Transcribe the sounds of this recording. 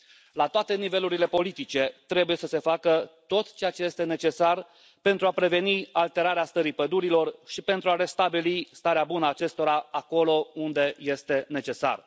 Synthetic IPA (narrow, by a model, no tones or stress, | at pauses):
lat̪oat̪e̞nive̞luɾile̞po̞lit̪it͡ʃe̞t̪ɾe̞buje̞səse̞fakət̪o̞t̪t͡ʃe̞jat͡ʃe̞je̞st̪e̞ne̞t͡ʃe̞sar | pe̞nt̪ɾuapɾe̞ve̞nialt̪e̞ɾaɾeast̪əɾipəd̪uɾilo̞rʃipe̞nt̪ɾuaɾe̞st̪abilist̪aɾeabunəat͡ʃe̞st̪o̞ɾaako̞lo̞und̪e̞je̞st̪e̞ne̞t͡ʃe̞sa̰r